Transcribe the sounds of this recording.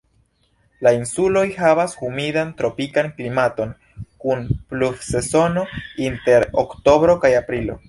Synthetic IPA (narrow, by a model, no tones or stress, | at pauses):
lainsulo̞jɦavashumidantɾo̞pikanklimato̞n | kunplufse̞so̞no̞inte̞ɾo̰kto̞bɾo̞kajapɾilo̞̰